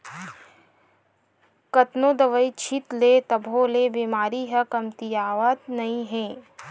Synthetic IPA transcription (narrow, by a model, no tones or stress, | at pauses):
kɐt̪nõːd̪ɐʋəit͡ʃʰit̪let̪ɐbʱoːlebiːmaːɾiɦɐkɐmt̪ijaːʋət̪nɐĩɦɛ̃ː